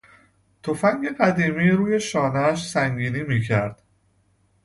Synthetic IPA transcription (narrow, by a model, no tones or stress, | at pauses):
t̪ʰo̞fæŋɡe̞ɢæd̪iːmiːɾuːje̞ʃɒːnæʃsæŋɡiːniːmiːcʰæɾd̪̥